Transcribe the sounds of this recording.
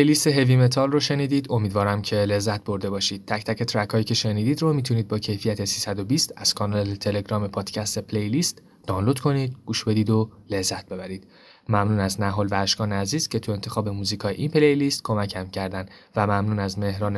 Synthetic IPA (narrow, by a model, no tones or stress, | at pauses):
pejlist̪eɦevime̞t̪ʰɒːlroʃe̞niːd̪iːd̪o̞miːd̪vɒːɾæmcʰe̞le̞zːæt̪̚ʰbo̞ɾd̪e̞bɒːʃiːd̪̥̚t̪ʰæcʰt̪æcʰe̞t̪ʰɾækʰɒːjiːcʰe̞ʃe̞niːd̪iːd̪romiːt̪ʰuniːd̪̚bɒːcʰe̞jfijæt̪ʰe̞siːsæd̪o̞biːst̪æz̥kʰɒːnɒːlet̪ʰe̞le̞ɡɾɒːme̞pʰɒːd̪̥cʰæst̪e̞pʰlejliːst̪ | d̪ɒːnlod̪kʰo̞niːd̪̚ɡ̥uːʃbe̞d̪iːd̪o̞le̞zːæt̪̚be̞bæɾiːd̪̚ | mæmnuːnæznæɦolvæɾʃɡɒːneæziːz̥cʰe̞t̪ʰue̞nt̪ʰe̞xɒːbe̞muːzikʰɒːjeʔinpʰelejlist̪̚kʰo̞mæcʰæmcʰæɾd̪ænd̪ | væmæmnuːnæzme̞hɾɒːne